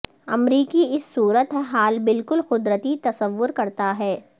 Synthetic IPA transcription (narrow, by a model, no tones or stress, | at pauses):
ɐmɾiːkiɪsːuːɾət̪ɦɛ̃ɦaːlbɪlkʊlxʊd̪ɾət̪it̪ɐsəʋːʊɾkɐɾt̪aɦɛː